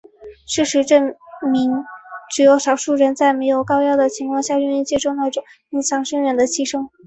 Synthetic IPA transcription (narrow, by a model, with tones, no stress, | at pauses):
ʂɻ̩˥˩ʂɻ̩˧˥ʈ͡ʂə˥˩mi˧˥ŋʈ͡ʂɻ̩˨˩jo˧˥ʊʂɑ˨˩ʊʂu˥˩ɻə˧˥nt͡sa˥˩ɪme˧˥ɪjo˨˩ʊkɑ˥ʊjɑ˥ʊd̪ə˨t͡ɕʰi˧˥ŋkʰwɑ˥˧ŋɕja˥˧ɻy˥˧ny˥˧nt͡ɕjɛ˥˧ʈ͡ʂʊ˥˧ŋt̪ɑ˥˩ʊʈ͡ʂʊ˨˩˦ŋ | i˥˩t͡sʰɑ˧˥ŋʂɤ˥ŋɻə˧˥˩nd̪ə˧t͡ɕʰi˥˩ʂɤ˥ŋ